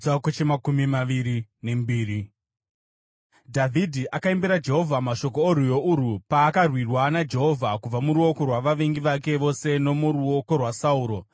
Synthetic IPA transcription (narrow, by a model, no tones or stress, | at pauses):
akot͡ʃemakumimaʋiɾine̞mbiːɾi | dʱavʱidʱiʔakaimbeɾad͡ʒe̞ɦo̞vʱamaʃo̞kooɾujoʔuɾupaːkarwirwanad͡ʒe̞ɦo̞vʱakub͡vamuɾuo̞ko̞rwaʋaʋeŋɡiʋake̞ʋo̞se̞no̞muɾuoko̞rwasauːɾo̞